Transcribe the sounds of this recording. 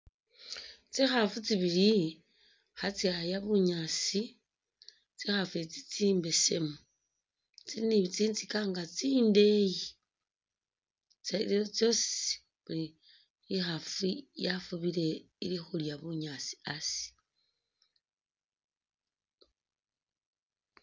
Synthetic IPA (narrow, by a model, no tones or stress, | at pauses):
t͡sixafut͡siβiɾi | xat͡siajaβuɲasi | t͡sixafuet͡sit͡siːmbe̞se̞̰mu | t͡siniβit͡siːnt͡sikaŋɡat͡siːnde̞ji | t͡seliot͡sjo̞se̥s | βuli | ixafujafuβiɾe̞ | ilixuljaβuɲasi̥asi̥